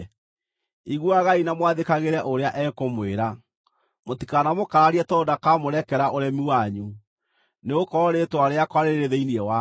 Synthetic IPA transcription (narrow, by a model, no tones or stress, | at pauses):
iɣwaɣainamwaðekaɣeɾɛʔoɾeaʔɛkomweɾa | motikanamokaɾaɾiɛtɔdakamoɾɛkɛɾaʔoɾɛmiwaɲu | neokɔɾɔɾetwaɾeakwaɾeɾeðeiniɛwa